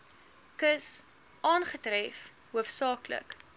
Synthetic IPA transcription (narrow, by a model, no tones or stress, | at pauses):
kəs | ʔɑːnχətrɛf | ɦuəfsɑːklə̰k